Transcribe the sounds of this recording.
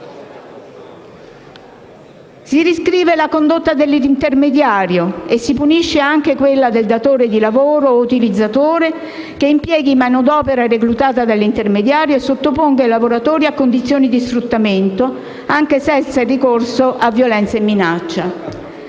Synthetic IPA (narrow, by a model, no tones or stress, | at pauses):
sidiskɾiːvelakond̪ot̪ːad̪elːiint̪ermed̪jaːɾjoesːipuniʃːeaŋk̟ekwelːad̪eld̪at̪oːɾed̪ilavoːɾout̪ilid̪zːat̪oːɾe | keimpjɛːɡimanod̪ɔːpeɾareklut̪aːt̪ad̪elːint̪ermed̪jaːɾjoesːot̪ːopoŋɡailavoɾat̪oːɾiakːond̪it̪sːjoːnid̪isfɾut̪ːament̪o | aŋkesɛnt̪sairːikorsoʔavːjolɛnt̪saemːinat͡ʃːa